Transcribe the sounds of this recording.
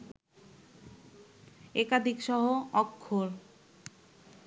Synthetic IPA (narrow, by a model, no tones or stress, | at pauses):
ekad̪ʱikʃɔɦoɔkʰːoɾ